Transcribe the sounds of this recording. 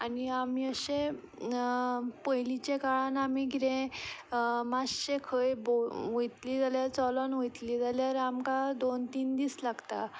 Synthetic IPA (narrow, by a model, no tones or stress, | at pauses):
aniamiəɕẽ | pəjlit͡ɕekaɭanamiɡʱiɾẽ | masɕekʰəjboʋojt̪liːd͡zaljaɾt͡sɔlɔnʋojt̪liːd͡zaljaɾamkad̪ont̪iːnd̪iːslaɡt̪a̰